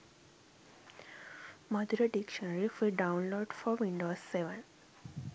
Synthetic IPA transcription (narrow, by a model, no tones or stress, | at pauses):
mʌd̪ɾəɖikʃənəɾifeɖãʊ̃nloːɖfɔʋĩɳɖoːsːeʋə̃n